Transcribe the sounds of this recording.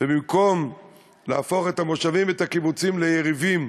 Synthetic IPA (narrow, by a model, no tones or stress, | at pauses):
vebimko̞m | laafo̞χet̪amoʃavimet̪akibut͡simlejeʁivim